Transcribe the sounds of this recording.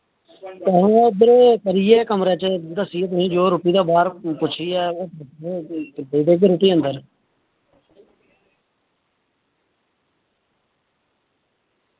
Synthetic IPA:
t̪ɛ̃ːɦũːd̪əɾepəɾiːɛːkəmɾeːt͡ʃd̪əsieːt̪̬ʊsĩːd͡ʒoːɾʊpiːd̪aːbaːɾpʊt͡ʃʰiːɛːoːt̪əeb̪əiːd̪eːk̬eɾʊʈiːənd̪əɾ

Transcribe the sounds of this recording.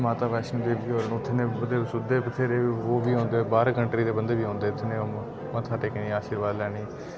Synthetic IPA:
maːt̪aːʋɛːʃniːd̪eːʋiːoːɾəɳʊt̪ʰːneːbəd̪eːsʊd̪eːbət̪ʰːeːɾeːoːʋiːɦõːnd̪eːbaːɾaːkəɳʈɾiːd̪eːbənd̪eːʋiːɦõːnd̪eːʊt̪ʰːneːoː | mãːt̪ʰaːʈeːkəniːaːʃiːɾʋaːd̪lɛːɽ̃iː

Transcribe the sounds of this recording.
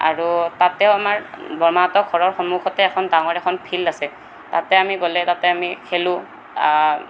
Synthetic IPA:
a̰ɹutatɛʊamaɹbɔɹmatɔkʰːɔɹɔɹxɔmuxɔtɛːkʰɔndaŋɔɹɛkʰɔnpʰilasɛ | ta̰tɛamiɡolɛtatɛamikʰelʊ̃

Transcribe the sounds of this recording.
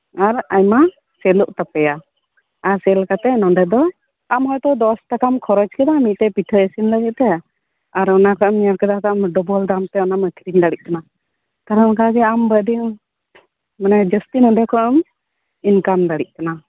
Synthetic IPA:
aɾajma | sɛlɔʔt̪apɛja | aɾsɛlkat̪ɛnɔɳɖɛd̪ɔ | amɦɔjt̪ɔd̪ɔsʈakamkʰɔɾɔd͡ʒkɛd̪amit̪̚t̪ɛpiʈʰəesinləɡɛt̪̚t̪ɛ | aɾɔnakaməɾkɛd̪akamɖɔbɔld̪amt̪ɛɔnaməkʰɾiɲd̪aɽiʔ̚kana | kaɾankaɡɛambədi | manɛd͡ʒəst̪inɔɳɖɛkɔəm | inkamd̪aɽiʔ̚ˀkana

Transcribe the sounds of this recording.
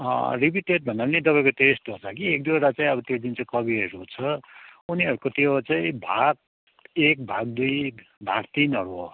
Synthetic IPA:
ʌ̰ripiʈeʈ̚bʱʌnaɾnet̪̬ʌpaĩkoʈesʈɦot͡sʰʌkiek̚d̪eɾat͡saĩʌbʌt̪jod̪int͡saĩkʌbiɾuot͡sʰʌuniʌɾukot̪jot͡saĩbʱaɡ̚ | ek̚bʱaɡ̚d̪ujbʱakt̪inʌɾuo̰

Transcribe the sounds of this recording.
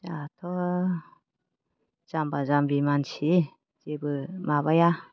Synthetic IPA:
d͡ʒatʰɔ | z̥ambazambimansi | d͡ʒebɯmaβaja

